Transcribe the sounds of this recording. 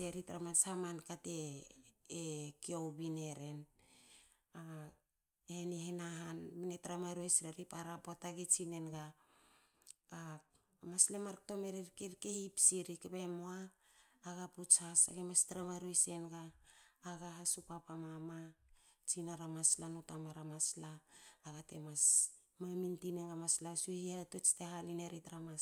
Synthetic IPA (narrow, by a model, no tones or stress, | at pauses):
teɾitɾamasamankate̞ː | kiowbine̞ɾe̞n | a | enihenaɦanminetɾamaɾuesɾeɾipaɾapotaɡet͡ʃine̞nɡa | a | maslemaɾto̞meɾeɾkeɾkehipsiɾikepemoaː | ɡaput͡ʃhasa̰ɡemastɾamaɾuese̞nɡaː | ɡaɦasupapamamat͡ʃinaɾamaslanotamaɾamaslaːɡate̞̰mas | mamintinenɡamaslasuhiatot͡ʃtehalineɾitɾama